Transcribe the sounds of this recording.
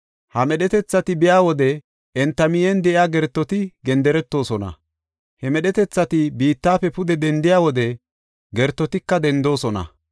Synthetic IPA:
hɐmɛɗɛt̪ɛt͡sːɐt̪ɪbɪjaːwɔd̪ɛ | ʔɛnt̪ːɐmɪjɛnd̪ɛʔɪjaːɡɛɾt̪ːɔt̪ɪɡɛnd̪ɛɾɛt̪ːo̞ːsɔnɐ̰ | hɛmɛɗɛt̪ɛt͡sːɐt̪ɪbiːt̪ːaːfɛpʊd̪ɛd̪ɛnd̪ɪjaːwɔd̪ɛ | ɡɛɾt̪ːɔt̪ɪkːɐd̪ɛnd̪o̞ːsɔnɐ̰

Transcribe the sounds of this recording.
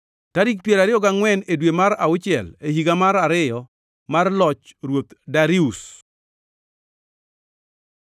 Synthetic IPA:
taɾik̚pjɛɾaɾɪjɔɡaŋwɛnedwemaɾa̰ʊt͡ʃɪɛ̰lehiɡamaɾaɾɪjɔ | marlɔt͡ʃɾwot̪daɾius

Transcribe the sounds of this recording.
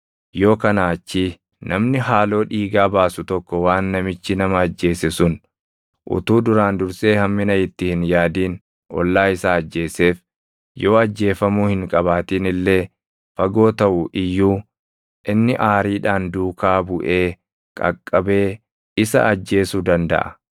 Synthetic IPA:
jo̞ːkɐnaːt͡ʃːi | nʔɐmnɪɦaːlo̞ːᶑiːɡaːbaːsʊt̪ɔkːɔwaːnːɐmɪt͡ʃːɪnɐmɐːd͡ʒːe̞ːsɛsʊn | ʔʊ̰t̪uːd̪ʊɾaːnd̪ʊɾse̞ːhɐmːɪnɐɪt̪ːɪhɪnjaːd̪iːn | ʔɔ̰lːaːɪsaːɐd͡ʒːe̞ːse̞ːf | jo̞ːɐd͡ʒːe̞ːfɐmuːhɪŋkʼɐbaːt̪iːnɪlːe̞ː | fɐɡo̞ːt̪ɐʔʊʔɪjːuː | ʔɪnːɪʔaːɾiːᶑaːnd̪uːkaːbʊʔe̞ː | kʼɐ̰kʼːɐbe̞ː | ɪsɐ̰ʔɐd͡ʒːe̞ːsuːd̪ɐnd̪ɐ̰ʔɐ̰

